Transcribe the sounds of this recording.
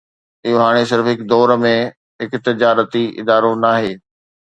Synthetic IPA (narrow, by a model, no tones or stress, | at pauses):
ɪɦoɦaːɽ̃es̬ɪɾfɦɪkd̪ɔːɾmẽ | ɦɪkt̪ɪd͡ʑaːɾət̪iɪ̰d̪aːɾonaːɦeː